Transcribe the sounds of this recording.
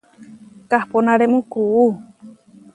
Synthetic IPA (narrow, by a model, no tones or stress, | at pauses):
kahponãɾemũkuː